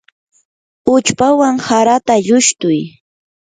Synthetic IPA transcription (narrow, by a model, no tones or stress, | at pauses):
ʊt͡ʃpawaŋhaɾat̪aʎʊʃt̪ʊj